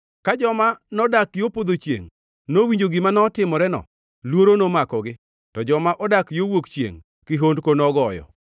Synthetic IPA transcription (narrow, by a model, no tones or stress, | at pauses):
kad͡ʒɔmanɔdakjopod̪ot͡ʃjḛŋ | nowiɲd͡ʒoɡɪmanɔtɪmɔɾɛnɔ̰ | lwoɾonomakɔɡɪ | tɔd͡ʒɔmaʔɔdakjowokt͡ʃjḛŋ | kɪɦondkonɔɡɔjɔ̰